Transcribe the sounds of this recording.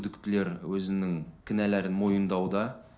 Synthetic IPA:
d̪ɪkt̪ɪle̞ɾwɵzɪnɪŋkʲʰɪnæleɾɪnmo̞jənd̪ɑwd̪ɑ

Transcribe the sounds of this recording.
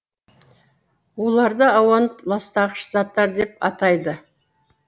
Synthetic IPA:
wo̞lˠɑɾd̪əɑwɑnəplˠɑst̪ɑʁʃəzɑt̪ːɑɾd̪e̞p̚ɑ̰t̪ɑjd̪ə

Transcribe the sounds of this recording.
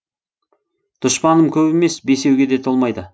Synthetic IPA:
d̪̥ʊʃpɑnəmkʲʰɵbeme̞sbe̞se̞wɡʲe̞d̪e̞t̪ʰolˠmɑjd̪ə

